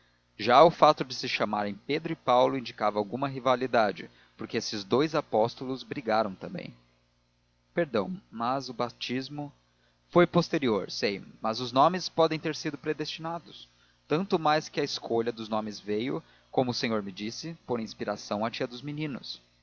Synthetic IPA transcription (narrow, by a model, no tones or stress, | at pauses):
ʒaʊfat̪ʊd͡ʒɪsɪʃamaɾẽj̃ped̪ɾʊɪpawlʊĩnd͡ʒikavɐawɡũmɐɦivalid̪ad͡ʒɪ̰ | poɾkeesɪzd̪ojzapɔst̪ʊlʊzbɾiɡaɾɐ̃w̃t̪ɐ̃mbḛ̃j̃ | peɾd̪ɐ̰̃w̃mɐzʊbat͡ʃizmʊ | fojpost̪eɾioɾsejmɐzʊznõmɪspɔd̪ẽj̃t̪eɾsid̪ʊpɾed̪est͡ʃinad̪ʊs | t̪ɐ̃nt̪ʊmajskɪɐɪskʰoʎɐd̪ʊznõmɪzvejʊ̰ | kõmʊːsẽɲoɾmɪd͡ʒisɪpoɾĩspiɾasɐ̃w̃ɐt͡ʃiɐd̪ʊzminĩnʊ̰s